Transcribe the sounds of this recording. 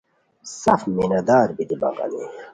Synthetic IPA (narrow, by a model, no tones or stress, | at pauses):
sɐfminɐd̪aːɾbid̪iba̰ɡɐ̰ne